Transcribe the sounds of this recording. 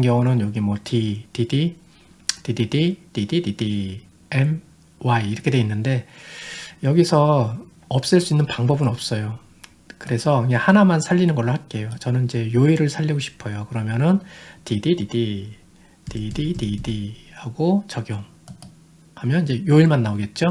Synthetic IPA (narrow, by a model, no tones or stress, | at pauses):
ŋɡjʌŋunɯnjʌɡimwʌtʰitidi | tididitidididi | em | waiːɾʌkʰe̞dweinːɯnde̞ | jʌɡisʰʌ | ʌp̚s͈ɯɭs͈uinːɯnpaŋbʌbɯnʌp̚s͈ʌjo | kɯɾe̞sʰʌehanamansʰaʎːinɯnɡʌɭːohak͈e̞jot͡ɕʌnɯnid͡ʑe̞joiɾɯɭsʰaʎːiɡoɕʰi̥pʰʌjokɯɾʌmjʌnɯntidididi | tidididihaɡot͡ɕʌɡjʌm | hamjʌnid͡ʑe̞joiɭmanːaoɡe̞t̚t͡ɕ͈o